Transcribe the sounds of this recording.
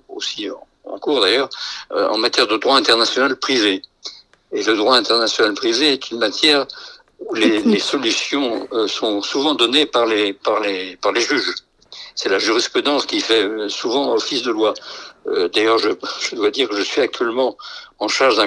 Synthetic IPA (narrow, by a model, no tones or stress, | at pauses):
o̰sĩ | ɑ̰̃kuʁd̪ajœːʁɑ̰̃mat̪jɛʁd̪əd̪ʁwaɛ̃t̪ɛʁnasjɔnalpχiveː | ləd̪ʁwaɛ̃t̪ɛʁnasjɔnalpχiveɛt̪ʰynmat̪jɛʁ | ulelesɔlysjɔ̃øsɔ̃suvɑ̃d̪ɔnepaʁlepaʁlepaʁleʒyʒ | sɛlaʒyʁispχyd̪ɑ̃skʲifɛøsuvɑ̃ɔfisd̪əlwaød̪ajœʁʒəʒ̥əd̪wad̪iʁkəʒəsɥiak̚t̪ɥɛlmɑ̃ɑ̃ʃaʁʒd̪ɛ̃